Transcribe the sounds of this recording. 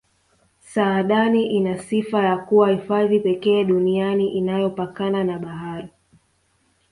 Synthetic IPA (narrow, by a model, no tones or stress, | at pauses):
saːɗaniʔinasifajakuwahifaðipɛkɛːɗunianiʔinajɔpakananaɓaɦaɾi